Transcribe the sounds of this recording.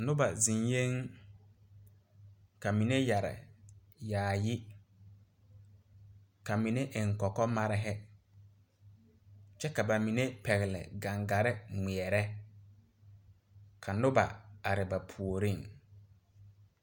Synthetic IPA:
nʊ˦ba˨zi˨nje˦ŋ | ka˨mi˨ne˦ja˨ɾɪ̰˨ | jaː˨jɪ˦ | ka˨mi˨ne˦ʔɪ˨ŋ̩˨kɔ˨kɔ˦ma˦ɾɪ˦ɦɛ˦ | t͡ʃɛ˦ka˨ba˨mi˨ne˦pɛ˨ɣɪ˨lɪ̰˨ɡa˨ŋɡa˨ɾɪ˦ŋ͡mi˨ɛ˨ɾɛ˦ | kʰa˨nʊ˦ba̰˨a˨ɾɪ˨ba˨pʰu˨o˨ɾi˦˨ŋ

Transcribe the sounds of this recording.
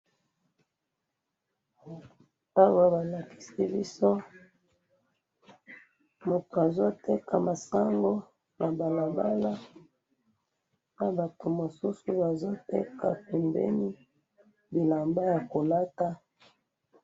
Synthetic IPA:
a˦wa˦ba˨la˨ki̥˨si˦bi˦so˦ | mo˨ta˨zo˦te˦kʰa˨ma˨sa˦ŋɡo˦ | nʔa˨ba˨la˨ba˦la˦ | na˨ba˨to˨mo˨su˦su˨ba˨zo˦tḛ˦ka̰˨pe˨mbḛ˦ni˦ | bi˨la˨mba˦ja˨ko˨la˦ta˦

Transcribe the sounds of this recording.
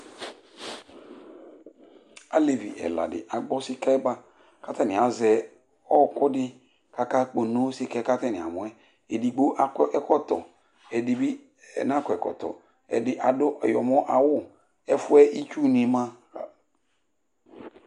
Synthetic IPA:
a˦le˨vḭ˨ʔɛ̰˨la̰˨dɪ̰˨ʔa˨ɡ͡bɔ˦sɪ˦ka˦ɛ˦ba˦ | ka˦tɛ˦nɪ̃˨a˨zɛ˨ | ɔ˦kʊ˦dɪ˦ | ka˦ka˦k͡po˨no˦sɪ˦kɛ˦ka˦tɛ˦nɪ̃˨a̰˨mʊ̃˨˦ɛ˦ | e˨di˨ɡ͡bo˦ʔa˦ɛ˦kɔ˦tɔ̰˨ | ɛ˨dɪ˨bi˦ | ɛ˨n˦a˦kɔ˨ɛ˨kɔ̰˨tɔ̰˨ | ɛ̰˨dɪ˦ʔa˨dʊ˦ʔjɔ˨mɔ̃˦ʔa˨wʊ˦ | ɛ˦fʊ˦ɛ˦ʔi˦t͡ʃu˦nĩ˨mã˦˨

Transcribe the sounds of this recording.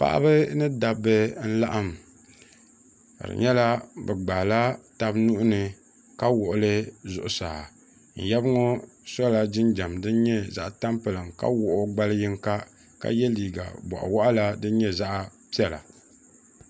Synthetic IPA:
pa̰˦ʔa̰˦bɨ˦nɨ˦da˨bɨ˦n̩˦la˦ʔa˦m | ka̰˨ɾɨ̰˨ɲɛ˦la˦bɛ˨ɡ͡ba˨la˦ta˦bnʊ˦ʔʊ˦nɨ˨ | ka˦wʊ˨ʔʊ˨lɨ˦zʊ̰˨ʔʊ˨saː˨ | n̩˨jɛ˦bŋɔ˦sɔ˦la˦d͡ʒɪ˦nd͡ʒa˨mdɨ˦n˦ɲɛ˦za˦ʔta˦mpɨ˨lɨ˨mka̰˦wʊ˨ʔʊ˦ɡ͡ba˦ljɪ˦ŋka˦ | ka̰˦jɛ˦liː˨ɡa̰˨bɔ̰˨ʔa̰˨wa˦ʔa˦la˦dɨ˦ɲɛ˦za˦ʔpi˦ɛ˨la̰˨

